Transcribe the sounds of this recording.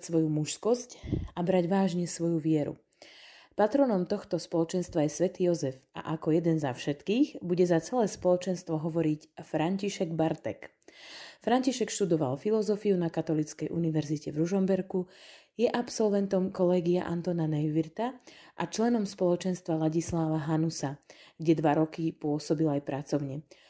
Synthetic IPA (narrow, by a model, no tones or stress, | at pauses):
sʋɔjumuʃskɔscabɾaɟʋaːʒɲɛsʋɔjuʋɪɛɾṵ | pat̪ɾɔnɔmt̪ɔxt̪ɔspɔlɔt͡ʃɛnst̪ʋajɛsʋɛt̪iːjɔzɛfa̰ʔakɔjɛd̪ɛnzafʃɛt̪kiːɣbuɟɛzat͡sɛlɛːspɔlɔt͡ʃɛnst̪ʋɔɦɔʋɔɾicfɾaɲciʃɛɡbaɾt̪ɛ̰k | fɾaɲciʃɛkʃt̪ud̪ɔʋa̰lfilɔzɔfiunakat̪ɔlit͡skɛjʔuniʋɛɾzicɛvɾuʒɔmbɛɾkujɛʔapsɔlʋɛnt̪ɔmkɔlɛːɡiaʔa̰nt̪ɔnanɛjʋiɾt̪aʔat͡ʃlɛnɔmspɔlɔt͡ʃɛnst̪ʋalaɟislaːʋaɦanusaɡɟɛd̪ʋaɾɔkipʊɔsɔbilajpɾat͡sɔʊɲɛ